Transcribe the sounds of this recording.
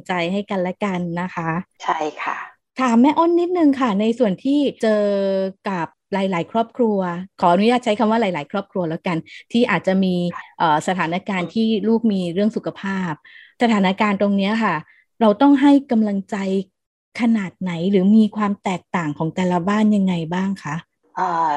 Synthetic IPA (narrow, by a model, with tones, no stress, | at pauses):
ŋt͡ɕa˧jha˥˩jka˧nlɛ˦˥ka˧nːa˦˥kʰa˦˥t͡ɕʰa˥˩jkʰa˥˩ | t̪ʰaː˩˦mːɛ˦˥ʔo˥˩nːi˦˥t̪̚nɯ˨˩ŋkʰa˥˩na˧jsu˨˩ənt̪ʰiː˥˩t͡ɕɤː˧ka˨˩p̚ɾaː˨˩˦jlaː˩˦jkʰɾɔː˥˩p̚kʰɾu˧ɐkʰɔː˩˦ʔa˧nu˦˥jaː˥˩t̪̚t͡ɕʰa˦˥jkʰa˧mwaː˥˩ɾaː˨˩˦laː˩˦jkʰɾɔː˥˩p̚kʰɾu˧ɐlɛː˦˥wka˧nt̪ʰiː˥˩ʔaː˨˩t̪̚t͡ɕa˨˩miː˧ʔɤː˨˩sa˧t̪ʰaː˩˦na˦˥kaː˧nt̪ʰiː˥˩luː˥˩k̚miː˧ɾɯ˥˩əŋsu˨˩kʰa˧pʰaː˥˩p̚sa˧t̪ʰaː˩˦na˦˧˥kaː˧nt̪o˧ŋni˦˥ɐkʰa˥˩ | ɾa˧wt̪ɔ˥˩ŋɦa˥˩jka˧mla˧ŋt͡ɕa˧j | kʰa˧naː˨˩t̪̚na˩˦jɾɯː˩˦miː˧kʰwaː˧mt̪ɛː˨˩k̚t̪aː˨˩ŋkʰɔː˩˦ŋt̪ɛː˨˩la˧baː˥˩nja˧ŋːa˧jbaː˥˩ŋkʰa˦˥ʔ | ʔaː˧˩